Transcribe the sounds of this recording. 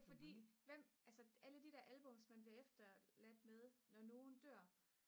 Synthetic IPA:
fɒd̥ḭːʋem̰ælsəæləd̥id̥ɛɐ̰ʔælb̥ɔ̽msmænb̥liɐefd̥ɐlæd̥með̞ˠnɒno̝ːn̩d̥øɐ̰

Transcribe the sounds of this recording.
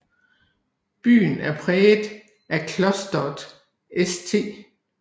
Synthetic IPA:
b̥y̰ːn̩æɐpʰʁɛːd | ʔækʰlɒsd̥ɒd̥ | est͡sʰe̝̰ː

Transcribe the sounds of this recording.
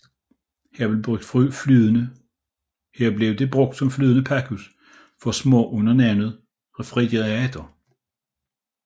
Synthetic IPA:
hæɐb̥eb̥ʁœɡ̥d̥fʁy̰flyːðˠənə | hæɐ̰b̥le̝ʊd̥e̝b̥ʁɔ̽ɡ̥d̥sɒ̽mflyːðˠənəpʰækʰus | fɒ̽smɔ̰̽ːʔɔ̽nɐnænð̩ˠ | ʁfʁɛd̥iæd̥ɐ

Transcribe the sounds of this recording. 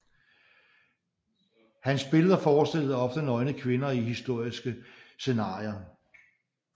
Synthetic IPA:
hænsb̥e̝ləðˠɐfɒːsd̥el̰ð̩ˠɒ̽fd̥ənɒ̽ɪnəkʰʋe̝nɐihisd̥o̝ɐ̰isɡ̥əse̝nɑ̈ːjɐ

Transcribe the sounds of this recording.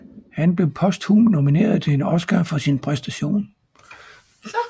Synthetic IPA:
hænb̥le̝ʊpʰɒ̽sd̥humno̝mine̝̰ːɐð̞̩ˠt͡sʰe̝e̝nɒ̽sɡ̥æfɒ̽sinpʰʁɛsd̥æɕo̝̰ːn

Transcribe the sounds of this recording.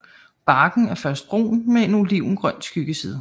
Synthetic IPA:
b̥ɑ̈ːɡ̥n̩æɐfɶɐsd̥̚b̥ʁo̝̰ːnmeenuliʊ̰n̩ɡ̥ʁɶn̰d̥sɡ̥yɡ̥əsiːð̞ˠ

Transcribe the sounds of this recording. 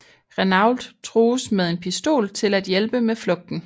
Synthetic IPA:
ʁenɑʊ̰ld̥t͡sʰʁoːsmeð̞ˠe̝npʰisd̥o̝̰ːlt͡sʰe̝læd̥jelb̥əmeflɔ̽ɡ̥̚d̥n̩

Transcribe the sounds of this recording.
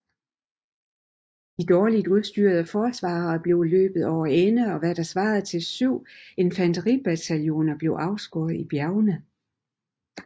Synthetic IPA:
d̥id̥ɒːlid̥uðˠsd̥yːɐð̞ˠæfɒːsʋɑ̈ːɐb̥le̝ʊlø̰ːb̥ð̞̩ˠɒʊ̰ɐenəɒ̽ʋæɾ̥ɑ̈sʋɑ̈ːð̩ˠt͡sʰe̝lsyʊ̰e̝nfænd̥ʁib̥æt͡sʰæljo̝̰ːnɐb̥le̝ʊʔɑ̈ʊsɡ̥o̰ɐð̩ˠib̥jæʊnə

